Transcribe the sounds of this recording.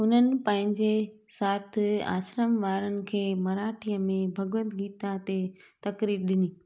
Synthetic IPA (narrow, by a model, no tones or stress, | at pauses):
ʊn̤ənɪ̆pɐ̃ɦɪ̃ɲd͡ʑe | saːt̪ʰɪ̆a̰ːʃɾəmʋaːɾənɪ̆kʰeːmɐɾaːʈʰijəmẽbʱɐɡʋə̃nt̪ɡiːt̪at̪e | t̪ɐkɾiːɾɗɪniː